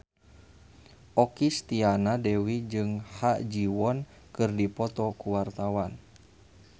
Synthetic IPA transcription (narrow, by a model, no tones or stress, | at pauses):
ʔɔkist̪ianadɛwid͡ʒɨŋhad͡ʒiwɔn | kɨrdipɔt̪ɔkuwart̪awan